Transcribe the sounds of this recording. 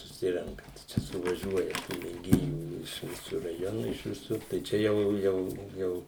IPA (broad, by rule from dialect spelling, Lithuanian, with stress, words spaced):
sʊˈsʲɪrʲɛŋkɐ ˈt͡ʃʲɛ sʊʋɐˈʒʲuɔjɛ tuː mʲeːˈɡʲeːjuː ɪʃ ˈʋʲɪsʊ rɐˈjoːnʊ ɪʃ ʋʲɪˈsʊr tɐɪ ˈt͡ʃʲɛ jɛʊ ˈjɛʊ ˈjɛʊ